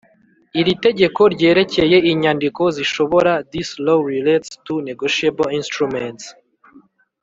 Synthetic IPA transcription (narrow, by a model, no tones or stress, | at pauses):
iɾite̞ɟe̞ko̞ɾɟe̞ːɾe̞ce̞je̞iɲandiko̞ziʃo̞βo̞ɾadisloɾiletstuneɡoʃiebolinstɾuments